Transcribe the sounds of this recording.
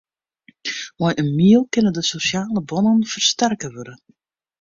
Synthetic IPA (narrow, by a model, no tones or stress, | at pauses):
mɔjʔənmiəlˠkɪnəndəsosjaːləbɔnənfərstɛrkəʋørə